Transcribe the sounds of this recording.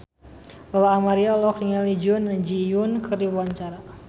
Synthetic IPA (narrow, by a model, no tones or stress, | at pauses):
əlaːmaɾialɔk̚diŋalid͡ʒunad͡ʒiunkʰɨrdiwaɲt͡ʃaɾa